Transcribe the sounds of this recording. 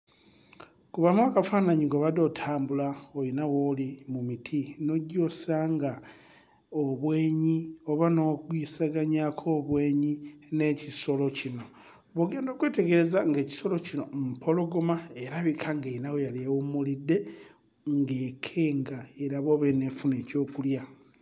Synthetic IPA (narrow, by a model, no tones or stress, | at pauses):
kuβamwakafanaɲiŋɡoβado̞ːtʰaːmbulaojinawolimumitʰino̞ɟːo̞ːsaŋɡa | oβwe̞ːɲioβano̞kwisaɡaɲakʰo̞ːβwe̞ːɲine̞ciso̞lo̞cino̞ | βoɡe̞ːndo̞ːkweːte̞ɡe̞ɾe̞zaŋɡe̞ːci̥so̞lo̞cino̞mupʰo̞lo̞ɡomaeɾaβikʰaŋɡeinawojaliawumulidːe̞ | ŋɡe̞kʰe̞ːŋɡaeɾaβoːβeneːfune̞ːco̞ːkulja